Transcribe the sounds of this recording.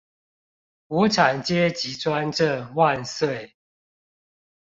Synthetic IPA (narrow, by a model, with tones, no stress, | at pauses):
wɔ˨˥ʈ͡ʂʰa˨˩nt͡ɕjɛ˦t͡ɕi˨˦t͡swa˦nʈ͡ʂə˥˨ŋwa˥˨nswe˥˨ɪ